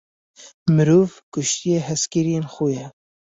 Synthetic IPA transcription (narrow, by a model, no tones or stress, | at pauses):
mɨɾuːvkʊʃt̪ijeɦɛskiɾijenxujɛ